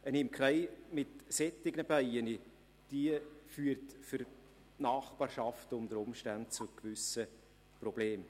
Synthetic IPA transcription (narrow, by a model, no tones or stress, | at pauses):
ənɪmkʰrɛɪmɪtsɛtːɪɡnəbæɪəni | d̥iəfyːəɾtfʏɾ | nɑːχb̥ɑːɾʃɑftʊmd̪əɾʊmʃtænt̚t͡sʊkvʏsə | prɔb̥leːm